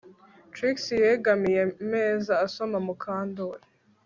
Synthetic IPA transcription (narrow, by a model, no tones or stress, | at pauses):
tɾiksijeɡamije̞me̞ːzaːso̞mamukʰaːndoɾi